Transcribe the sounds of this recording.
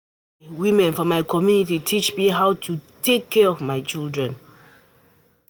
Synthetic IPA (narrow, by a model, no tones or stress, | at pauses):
wimɛ̃nfɔmaɪkʰɔmjunititʰit͡ʃmiɦaʊtʰutʰekʰːɛɹɔvmaɪt͡ʃildɹɛ̃n